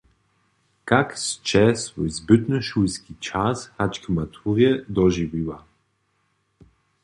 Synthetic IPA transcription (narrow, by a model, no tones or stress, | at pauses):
kakst͡ʃɛsvɔjzbɪt̪nəʃujskit͡ʃashat͡ʃkəmat̪ʰuʁjɛd̪ɔʒiviwa